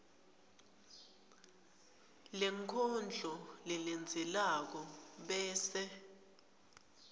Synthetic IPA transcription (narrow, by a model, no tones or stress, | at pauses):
lɛŋkʰɔnd͡ɮʱɔlɛlɛnd͡zʱɛlak̬ɔɓɛːsɛ